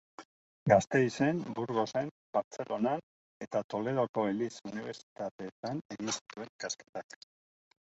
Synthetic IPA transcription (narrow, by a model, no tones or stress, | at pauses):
ɡast̪e̞jse̞mbuɾɣo̞se̞m | baɾt͡se̞lʔo̞nan | e̞t̪at̪o̞le̞ðo̞ko̞elisuniβ̞e̞ɾsi̥t̪at̪e̞ːt̪ane̞ɣinsi̥t̪ue̞ŋkaske̞̥t̪ak